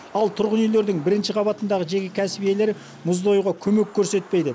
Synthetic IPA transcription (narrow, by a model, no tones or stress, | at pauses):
ɑlˠt̪ʰʊɾʁənijle̞ɾd̪ɪŋbɪɾɪnʃɪqʰɑβɑt̪ənd̪ɑʁəʒe̞kʲekʲʰæsbije̞le̞ɾɪ | mʊzd̪ɑjuʁɑkʲʰɵme̞kʲʰːɵɾse̞t̪̚pe̞jd̪ɪ